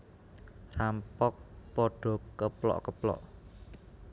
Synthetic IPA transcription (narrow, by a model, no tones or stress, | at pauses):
rampɔk̚pɔɖ̥ɔ̤kəplɔ̰ʔkəplɔ̰ʔ